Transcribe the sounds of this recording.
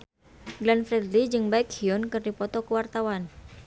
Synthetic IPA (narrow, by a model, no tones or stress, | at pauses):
ɡlanfɾɛd̪lid͡ʒɨŋbaikhiɔnkɨrdipɔt̪ɔkəwart̪awan